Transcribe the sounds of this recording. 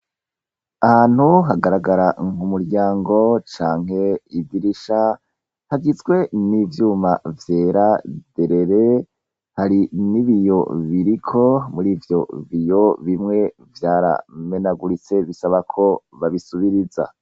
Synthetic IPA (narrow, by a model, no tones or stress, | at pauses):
ahaːn̥huɦaɡaɾaɡaɾaŋumuɾɟaːŋɡo̞t͡ʃaːŋhe̞ivdiɾiʃa | haɡizɡwe̞nivjuːmavje̞ːɾad̥e̞ɾe̞ɾe̞ | haɾiniβijo̞βiɾikʰo̞muɾiːvjo̞βijo̞βimŋe̞ | vjaːɾa̰me̞naɡuɾit͡se̞βisaβakʰo̞βaβisuβiɾiza̰